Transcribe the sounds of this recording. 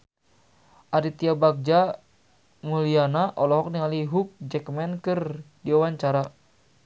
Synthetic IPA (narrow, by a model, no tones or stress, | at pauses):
ʔaɾit̪iabak̚d͡ʒa | mulianaʔɔlɔɦɔk̚niŋaliɦuk̚d͡ʒɛkmɛnkɨrdiawaɲt͡ʃaɾa